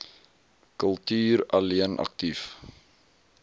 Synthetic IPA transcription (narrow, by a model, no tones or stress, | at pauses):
kəlˠtyːɾɐliənʔɐ̰k̚tif